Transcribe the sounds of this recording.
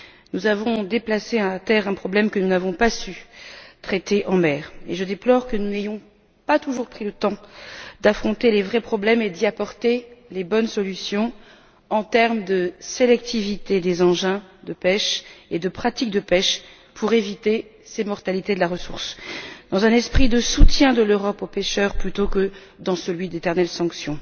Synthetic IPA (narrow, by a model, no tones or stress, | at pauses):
nuzavɔ̃d̪eplaseɛ̃at̪ɛʁɛ̃pχɔblɛmkənunavɔ̃pasyt̪χɛt̪eʔɑ̃mɛːʁḛʒəd̪eplɔʁkənunejɔ̃ | pat̪uʒuʁpχilət̪ɑ̃d̪afχɔ̃t̪elevʁɛpχɔblɛmed̪iapɔʁt̪elebɔnsɔlysjɔ̃ | ɑ̃t̪ɛʁmd̪əselɛk̚t̪ivit̪ed̪ezɑ̃ʒɛ̃d̪əpɛʃed̪əpχat̪ik̚d̪əpɛʃ | pʰuʁevit̪e | semɔʁt̪alit̪ed̪əlaʁəsuʁsd̪̥ɑ̃zɛ̃nɛspχid̪əsut̪jɛ̃d̪əløʁɔpopeʃœʁplyt̪okə | d̪ɑ̃səlɥid̪et̪ɛʁnɛlsɑ̃ksjɔ̃